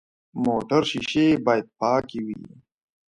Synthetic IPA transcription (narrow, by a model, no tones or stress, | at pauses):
moːʈəɾʃiʃebaːjəd̪̚pɑːkiwḭ